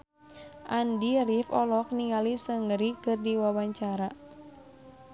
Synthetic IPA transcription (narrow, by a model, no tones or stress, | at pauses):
ʔandirifɔlɔk̚niŋalisəŋəɾikɨrdiwawaɲt͡ʃaɾa